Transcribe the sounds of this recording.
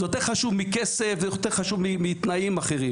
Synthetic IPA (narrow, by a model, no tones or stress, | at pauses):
jot̪eʁχaʃuvmikesefzejot̪eʁχaʃuvmimit̪naimaχeʁim